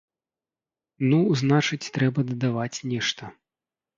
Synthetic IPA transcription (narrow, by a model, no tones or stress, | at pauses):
nuznat͡ʂɨt͡sʲt̪ɾɛbɐd̪ɐd̪avat͡sʲnʲɛʂt̪ɐ